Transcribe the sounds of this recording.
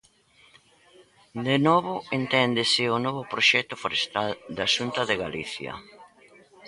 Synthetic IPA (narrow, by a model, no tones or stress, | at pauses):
d̪enɔβʊent̪ɛnd̪esɪonɔβʊpɾoʃɛkt̪ʊfoɾest̪ald̪aʃunt̪ɐðeɣaliθjɐ̰